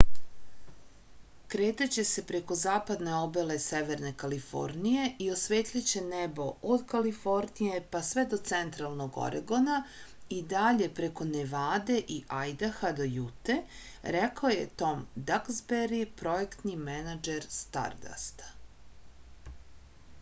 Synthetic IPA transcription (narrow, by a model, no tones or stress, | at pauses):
kɾeːt̪at͡ɕe̞se̞pɾe̞ko̞zaːpad̪ne̞o̞bele̞seʋe̞ɾne̞kalifo̞̰ɾnije̞io̞sʋeːt̪ʎat͡ɕe̞nebo̞od̪kalifo̞ɾnije̞pasʋe̞d̪o̞t̪sent̪ɾalˠno̞ɡo̰ɾḛɡo̞na | id̪aʎe̞pɾe̞ko̞neʋaːd̪e̞ʔiʔajd̪axad̪o̞jut̪e | ɾekaojḛt̪o̞md̪akzbeɾipɾo̞ekt̪nimenad͡ʒeɾst̪a̰ɾd̪a̰st̪